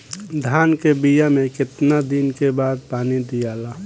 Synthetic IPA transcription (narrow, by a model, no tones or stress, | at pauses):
d̪ʱaːnkebijamẽkɪt̪nad̪inkebaːd̪̚paːnid̪ijalaː